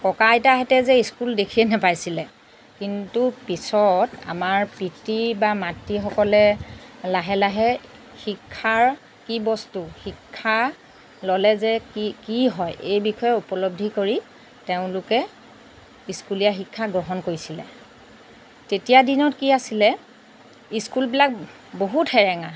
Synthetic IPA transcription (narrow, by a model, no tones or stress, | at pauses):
kɔkajtaɦɛtɛzɛiskuldekʰiɛnɛpajsilɛ | kintupisɔta̰maɹpitibamatːixɔkɔlɛlaɦɛlaɦɛxikʰːaɹ | kibɔstuxikʰːa | lɔlɛzɛkikiɦɔjʔejbixɔjɛupɔlob̚dʱikoɹi | teʊ̃lʊkɛ | iskulijaxikʰːaɡɹɔɦɔnkoɹisilɛ̰ | tetijadinɔtkiasilɛ | iskulbilak̚ | boɦuthɛɹɛŋa